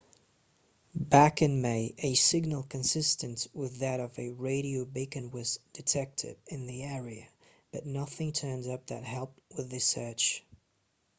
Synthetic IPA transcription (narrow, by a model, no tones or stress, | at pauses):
bækɨ̃nmeɪʔɨsɪɡ̚nl̩ˠkʰɨ̃nsɪstɨ̃nswɪðɨɾʌvɨɹeɪɾioʊbɪkɨ̃nwɪsd̥ɨtʰɛk̚tʰɪ̰vɨ̃nðiɛɹiɨ | b̥ʌtⁿnʌθɪ̃ŋtʰɜ̃˞nzʌp̚ðɨ̰t̚ɦɛlˠp̚t̚wɨðɨsɜ˞t͡ʃ